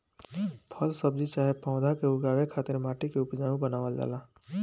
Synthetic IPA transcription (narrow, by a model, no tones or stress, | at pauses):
pʰəlsəb̚d͡ʒit͡ʃaːɦepãːʊ̃d̪ʱakeʊɡaːʋekʰaːt̪ɪɾmaːʈikeʊpd͡ʒaːʋũbənaːʋəld͡ʒa̰ːlaː